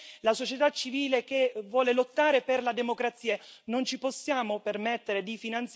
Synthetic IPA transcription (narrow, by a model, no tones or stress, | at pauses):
lasot͡ʃet̪at͡ʃːiviːlekevːwɔːlelot̪ːaːɾeperlad̪emokɾat̪sːiːanont͡ʃiposːjaːmopermɛt̪ːeɾed̪ifinant̪s